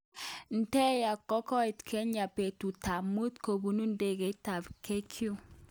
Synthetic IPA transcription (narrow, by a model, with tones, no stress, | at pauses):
n̩˨tɛ˦ja˨kːɔ˦kɔ˦i˨tkʰɛ˦ɲa˨pe˨tu˨ta˨mu˦t̪ko˨bu˨nu˦n˦de˨ɡe˨ta˨bke˦kʰju˦